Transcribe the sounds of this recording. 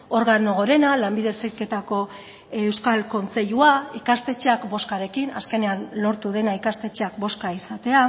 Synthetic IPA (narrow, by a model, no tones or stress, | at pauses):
o̞ɾɣano̞ɣoɾe̞nalambiðe̞seke̞t̪ako̞ | ewskalko̞nt͡se̞ʎuaikast̪e̞t͡ʃeakbo̞skaɾe̞kina̰ske̞ne̞anːo̞ɾt̪uð̞e̞naikast̪e̞t͡ʃeakbo̞skaisat̪e̞a